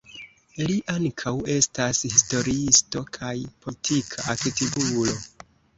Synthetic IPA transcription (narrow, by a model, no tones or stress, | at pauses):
liʔaŋkʰawe̞stashisto̞ɾiisto̞kʰajpʰoitʰikʰaʔaketibulo̞